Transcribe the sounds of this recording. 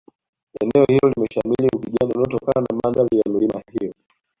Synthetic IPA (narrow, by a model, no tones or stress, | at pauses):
ɛnɛɔhilɔlimɛʃamiliukiʄananɔtɔkananamandalijam̩limahijɔ